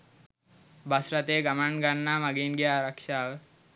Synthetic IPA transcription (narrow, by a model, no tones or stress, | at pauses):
basɾat̪eːɡamanɡanːaːmaɡinɡiaːɾakʃaːʋə